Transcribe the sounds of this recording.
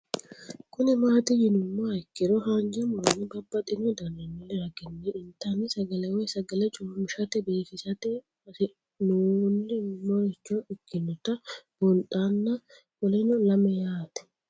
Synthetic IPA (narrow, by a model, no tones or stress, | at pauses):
kʰʊnɛmaːt̪ɪjɪnʊmːoɐɪkːɪɾɔɦaːnd͡ʒɐmɔnːɪbɐbːɐt̪ʼɪnɔd̪ɐnːɐnːʊlːɛɾɐɡɛnːɛɪnt̪anɪsɐɡɐlɛwɔjsɐɡɐlɛt͡ʃʼʊːmɪʃɐt̪ɛbe̞ːsɪsɐt̪ɛ | ɐsɪ | nuːlːɪmɔɾɛt͡ʃːoʔɪkːɪnːɔt̪ɐbɔntʼaːnːɐ | wɔlɛnɔlɐmɛjaːt̪ɛ̥